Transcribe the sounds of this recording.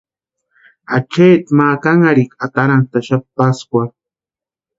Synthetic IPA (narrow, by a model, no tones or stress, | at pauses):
at͡ʃeːt̪makaŋaɾikat̪aɾant̪aʃat̪̚paskʷa